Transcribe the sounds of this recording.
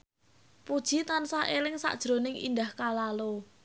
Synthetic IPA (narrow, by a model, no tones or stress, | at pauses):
pud̥ʒ̥i̤t̪ansahʔelɪŋsa̰ʔd̥ʒ̥ɾonɪŋḭnd̪ahkalalo